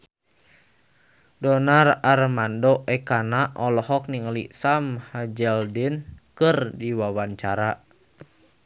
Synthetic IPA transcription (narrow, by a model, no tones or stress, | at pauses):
dɔnararmandɔʔɛkanaʔɔlɔɦɔk̚niŋlḭsamhad͡ʒɛldinkɨrdiwawaɲt͡ʃaɾa